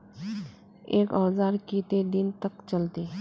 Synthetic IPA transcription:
eːkɔːzaːɾkit̪ed̪ɪnt̪ɐkt͡ʃɐlt̪eː

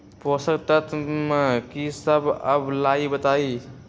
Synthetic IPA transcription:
posəkt̪ət̪mekisəbə̰blaibət̪ai

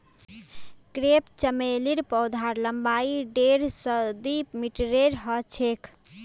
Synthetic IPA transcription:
kɾept͡ʃəmeliɾpɔwd̪ʱaɾləmbaiɖeɾsəd̪imiʈɾeɾɦət͡ʃʰekʰ

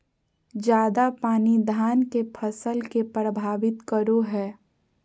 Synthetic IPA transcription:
d͡ʒjaːd̪apaːnid̪ʱaːnkepʰəsəlkepɾəbʱaːʋɪt̪kəɾoɦɛː

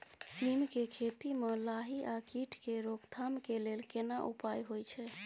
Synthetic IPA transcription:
simkekʰet̪imẽlaɦiʔakiʈʰkeɾokt̪ʰamkelelkenaʔṵpajɦojt͡ʃʰɛ

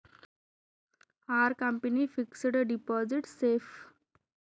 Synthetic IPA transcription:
haɾkə̃mpənifiksɖəɖipɔziʈsef

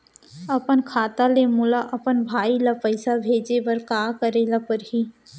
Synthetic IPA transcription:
ɐpənkʰaːt̪alemʊlaʔɐpənbʱaːilapəɪsabʱeːd͡ʒeʋɐɾkaːkəɾeːlapəɾɦi

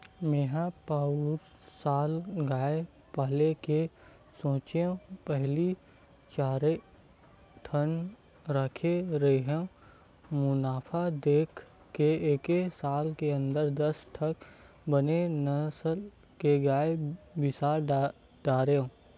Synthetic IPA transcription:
meːɦapaːuɾ | saːlɡaːe | pəɦleke | sõːt͡ʃeõpɛɦli | t͡ʃaːɾe | ʈʰən | ɾəkʰeɾɐɦeɦɛ̃ | mʊnaːpʰad̪eːkʰː | eeːkesaːlkeə̃nd̪əɾd̪ɐsʈʰɐk | bənenɐsəl | keɡaːebɪsaːɾ | ɖaːɾeõ

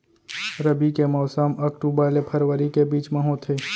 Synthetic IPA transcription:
ɾəbikemɔːsəmɐkʈubaːlepʰɐɾʋəɾikebiːt͡ʃmaɦõt̪ʰeː

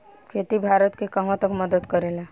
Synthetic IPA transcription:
kʰet̪ibʱaɾət̪kekəɦãt̪əkməd̪əd̪kəɾela

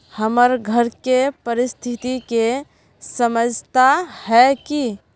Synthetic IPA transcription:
həməɾɡʱəɾkepəɾist̪ʰit̪ike | səməd͡ʒʱt̪ahɛki

